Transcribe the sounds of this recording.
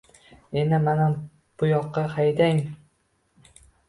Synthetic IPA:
enɪmanam | pʰʊjɒqːɑhajd̪aŋ

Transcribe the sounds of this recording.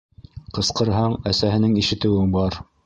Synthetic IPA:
qɤ̆sqɤ̆ɾɦɑɴæsæɦɘ̆nɘŋiʃɘ̆t̪ɘ̆wɘbɑɾ

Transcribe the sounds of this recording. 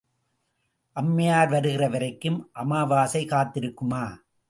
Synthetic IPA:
ʔɐmːɐjaːɾʋɐɾɯɣɪrɐʋɐɾɐɪkːɯmʔɐmaːʋaːsɐɪkaːt̪ːɪɾɯkːɯmaː

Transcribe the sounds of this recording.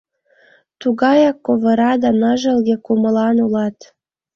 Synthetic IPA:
t̪uɣɑjɑkːoβɤ̆ɾɑd̪ɑnəʒə̆lɣekumə̆lɑnulɑt̪

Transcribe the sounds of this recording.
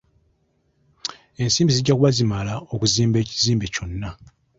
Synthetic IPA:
e̞nsiːmbiziɟakuβazimalaokuziːmbe̞ːciziːmbe̞co̞nːa

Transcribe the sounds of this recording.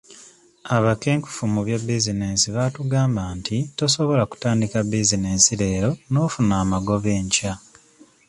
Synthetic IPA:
aβake̞ːŋku̥fumuβjabizineːnsiβatuɡaːmbaːntito̞so̞βo̞laku̥taːndikabizinensiɾe̞ːɾo̞no̞ːfunaːmaɡo̞βe̞ːɲca

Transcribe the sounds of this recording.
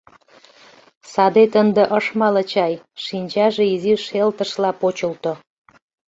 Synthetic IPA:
sɑd̪et̪ənd̪ə̆ʔəʃmɑlət͡ɕɑj | ʃinʲt͡ɕɑʒeiziʃelt̪əʃlɑpot͡ɕəlt̪o

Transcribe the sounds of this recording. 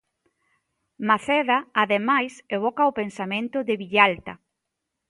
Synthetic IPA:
maθɛðaːðemajseβ̞ɔkaʊpensamẽnt̪ʊðɪβiʎalt̪ɐ

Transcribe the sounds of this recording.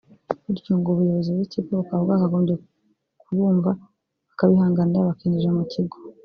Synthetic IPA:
uɾicuːŋɡoβujo̞βozibɡicikokabɡakaɡo̞ːmɟje | kuβuːɱva | βakaβihaːŋɡaniɾaβakiniʒemuciɡo

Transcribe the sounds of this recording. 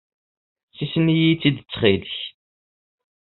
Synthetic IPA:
θisənijit͡sːid̪ət͡sːχilç

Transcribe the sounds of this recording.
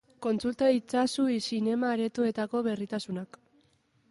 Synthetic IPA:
ko̞nt͡sult̪ait͡sasuisine̞maːɾe̞t̪ue̞t̪ako̞βe̞rit̪asunak

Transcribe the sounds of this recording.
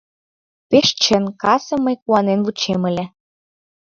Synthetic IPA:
peʃt͡ɕə̆nkɑsɤ̆məjkuɑnenvut͡ɕemə̆lʲĕ

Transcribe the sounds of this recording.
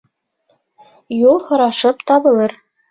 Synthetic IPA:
julˠhŏɾɑʃɤpt̪ɒβɤ̆lˠɤɾ

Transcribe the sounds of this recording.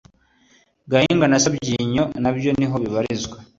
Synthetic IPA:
ɡahiːŋɡanasabɟiːɲonabjo̞niɦo̞βiβaɾizɡwa

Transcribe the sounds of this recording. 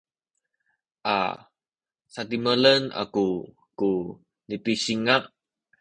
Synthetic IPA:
ʔa̰ | sat̪imələna̰ku | ku | nipisiŋaʔ

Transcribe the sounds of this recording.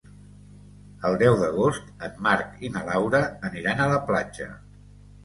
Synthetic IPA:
əlˠd̪ɛwðəɣ̞ost̪əmːaɾkinəlawɾəːniɾanələplad͡ʒə̰

